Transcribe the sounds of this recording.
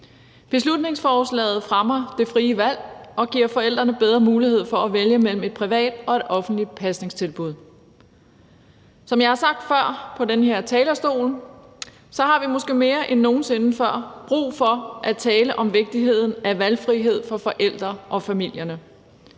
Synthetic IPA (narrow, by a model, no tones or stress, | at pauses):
b̥e̝slud̥ne̝ŋsfɒːslɛ̰ːð̩ˠfʁamɐd̥e̝fʁiːəʋæl̰ɒ̽ɡ̥iɐ̰fɒ̽el̰d̥ʁɐnəb̥eð̞ˠʁɐmuːlihe̝ð̞̰ˠfɒ̽æʋeljəmel̰m̩e̝d̥̚pʰʁiʋɛ̰ːd̥ɒ̽e̝d̥ɒ̽fn̩d̥li̥pʰæsne̝ŋst͡sʰe̝lb̥uð̞ˠ | sɒ̽mjɑ̈ɪhɑ̈sɑ̈ɡ̥̚d̥fɶɐ̰pʰɒ̽denəhe̝ɐ̰t͡sʰɛːlɐsd̥o̝̰ːl | sɒ̽hɑ̈ʋimo̽sɡ̥e̝̰ːme̝ːɐʔenːo̝ːn̩se̝nəfɶɐ̰b̥ʁṵːfɒ̽ʔæt͡sʰɛːləʔɒ̽mʋe̝ɡ̥̚d̥iɦe̝ð̞̰ˠn̩æʋælfʁiɦe̝ð̞̰ˠfɒ̽fɒ̽ʔel̰d̥ʁɐʔɒ̽fæmil̰jɐnə